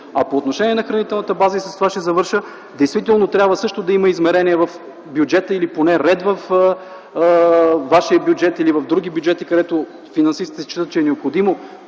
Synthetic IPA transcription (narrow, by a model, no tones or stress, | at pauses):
ɐpoːt̪noʃɛniɛnɐxɾɐnit̪ɛlˠnət̪əbazəisɐst̪ovaʃɛzɐvɤɾʃə | d̪ɛjst̪vit̪ɛlˠnot̪ɾʲjabvəsɤʃt̪od̪ɐiməizmɛɾɛniɛvɐf | bjʊd͡ʒɛt̪əiliponɛɾɛd̪vɐf | vaʃiəbjud͡ʒɛt̪ilivɐvd̪ɾuɡʲibjuʊd͡ʒɛt̪ikɐd̪ɛt̪o | finɐnsist̪it̪ɛst͡ʃit̪ət̪t͡ʃɛːnɛopxod̪imo